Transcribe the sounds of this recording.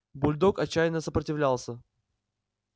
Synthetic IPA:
bʊlʲd̪okɐt͡ɕːæjɪnːəsəpɾətʲɪvlʲalˠsʲə

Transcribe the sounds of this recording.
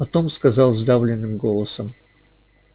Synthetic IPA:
pɐt̪o̞mskɐzɑlˠzd̪avlʲɪnːɨmɡo̞lˠəsəm

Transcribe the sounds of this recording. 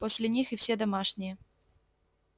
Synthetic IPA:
posʲlʲɪnʲixɨfsʲɛd̪ɐmaʂnʲɪjə

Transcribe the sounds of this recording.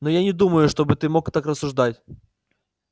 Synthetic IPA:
nojanʲɪd̪uməjʊʂt̪o̞bɨt̪ɨmo̞kt̪akrəsːʊʐd̪atʲ

